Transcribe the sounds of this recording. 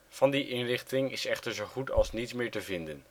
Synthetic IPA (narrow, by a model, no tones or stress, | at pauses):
v̥ɑndiʔɪnrɪχtɪŋɪsɛχtəɹzowχutɑ̰lˠsnitsmɪːɹtəvɪndən